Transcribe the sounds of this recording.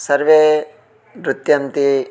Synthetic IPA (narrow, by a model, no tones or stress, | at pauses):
sɐɾʋe | ɾut̪jɐnt̪i